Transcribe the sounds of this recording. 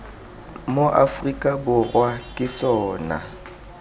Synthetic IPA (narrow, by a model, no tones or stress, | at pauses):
moʔafrikʼabʊrwakʼɪt͡sʼɔːna̰